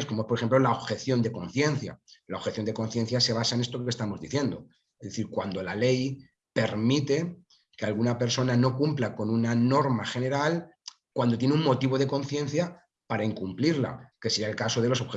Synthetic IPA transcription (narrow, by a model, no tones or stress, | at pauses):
sko̞moespoɾxemplo̞laoβxe̞θjo̞nd̪e̞ko̞nθje̞n̟θja̰laoβxe̞θjond̪e̞ko̞n̟θjẽ̞n̟θjase̞β̞asaene̞st̪o̞kest̪amo̞zðiθje̞nd̪o̞ | ezðeθiɾkwand̪o̞lale̞j | pe̞ɾmit̪e̞ | ke̞alɣunape̞ɾso̞nano̞kumplako̞nunano̞ɾmaxe̞ne̞ɾal | kwand̪ot̪je̞neuŋmo̞t̪iβo̞ð̞e̞ko̞nθje̞n̟θja | paɾaiŋkumpliɾla̰ke̞seiaelkaso̞ðe̞lo̞s̬oβxe